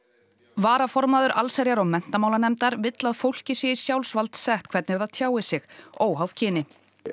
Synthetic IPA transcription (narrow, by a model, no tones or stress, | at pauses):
vaːɾafɔɾmaðʏɾʔalsɛɾjaɾɔwmɛn̥t̪amawlanɛmt̪aɾvɪt̪laðfowl̥cɪsɛːjɪsjawlsvalt̪sɛht̪kʰvɛɾt̪nɪɾθaðt̪ʰjaːwɪsɪxoːwɦawð̥cʰɪːnɪ